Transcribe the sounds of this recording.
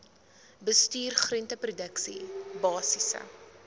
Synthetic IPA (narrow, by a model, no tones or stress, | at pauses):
bəstyːrχrəntəprudəksḭbɑːsisə̰